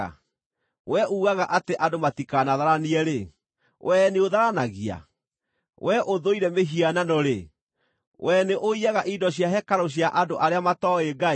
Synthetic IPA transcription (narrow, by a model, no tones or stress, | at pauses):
a̰ | wɛʔuːɣaɣaʔateʔadomatikanaðaɾaniɛɾe | wɛneoðaɾanaɣia̰ | wʔɛʔoðoiɾɛmeɦiananɔɾe | wɛneʔoiaɣaʔidɔɕjaɦɛkaɾɔɕ̬jaʔadoʔaɾeamatɔeɡai